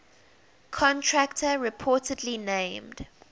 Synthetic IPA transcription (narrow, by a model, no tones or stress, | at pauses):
kʰɔ̃ntʰɹæktəɹɪpʰɔˑtədlinẽɪmd̥